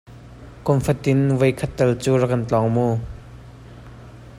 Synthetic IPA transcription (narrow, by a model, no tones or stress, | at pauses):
kɔmfɐt̪ɪnvɐjkʰɐt̪ːɐlt͡suːrɐkɐnt͡ɬɔŋmu